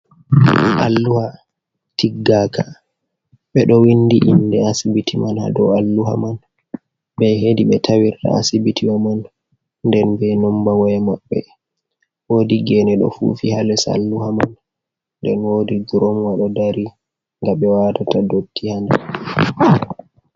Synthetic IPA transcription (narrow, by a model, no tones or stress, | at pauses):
ʔa̰lːuha | tiɡːaka | ɓɛɗɔwindiʔindɛasibitimanha̰dɔ̰alːuɦa̰man | bɛɦediɓɛtʰawiɾta̰a̰sibitʰiwamanː | dɛnbɛnɔmbawɔjɛmaɓːɛ̰ | wodiɡɛnɛɗɔ̰fṵfihalɛsa̰lːuhaman | nːdɛnwodiɡɾomwaɗɔdaɾi | ŋɡaɓɛwatatadotːihanda